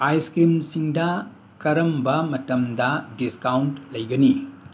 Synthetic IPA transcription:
ajskimsiŋdɐ | kɐɾɐmbɐmɐtɐmdɐdiskawntlɐjɡɐni

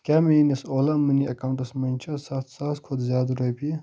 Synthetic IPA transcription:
kʲaːmɐinisoːlɐmɨniɐkawɳʈɐsmɐnʲt͡ʃʰɐsɐt̪ʰsaskʰod̪zjaːd̪ɾojpi

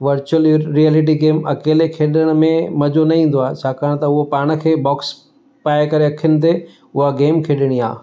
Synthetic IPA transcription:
ʋɐɾt͡ɕuəlɾiɛːlɪʈ̬iɡeːmɐkeːlekʰeːɗəɽ̃ʊ̆mẽmɐd͡ʑonɐĩːn̆d̪oaːɦet͡ɕʰaːkaːɽ̃t̪ɐʊɦopaːɽ̃ə̆kʰeːbɔːks | paːjkɐɾeɐkʰijʊnɪ̆t̪̬e | ʊɦaɡeːmkʰeːɗəɽ̃ia̰ː

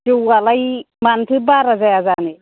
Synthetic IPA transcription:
tewalaj | mant̪ʰɯbaɾazajazane

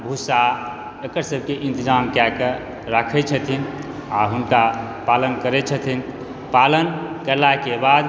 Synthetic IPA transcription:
bʱusa | əkəɾsəb̚ʱkeʔint̪id͡ʒamkakə | ɾakʰɛt͡ʃʰət̪ʰin | aɦunka | palənkəɾɛt͡ʃʰət̪ʰin | palənkəɾlakebad̪

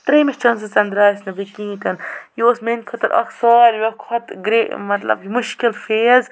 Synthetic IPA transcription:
t̪ɾeːmet͡ʃɐnsɨt͡sɐnd̪ɾaːjisnɐbikĩːt̪ɐnjoːsmenʲkʰɐt̪ɐɾʔɐ̰ksaːlʲʋʲɐkʰɐt̪ɡɾeːmɐt̪lɐ̰bimuʃkilfeːz

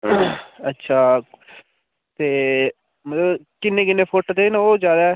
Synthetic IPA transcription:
ətːʃʰaː | t̪eː | mət̪ləb | kɪnːẽːkɪnːẽːpʰoːʈːd̪eːnoːd͡ʒjaːd̪aːɛː

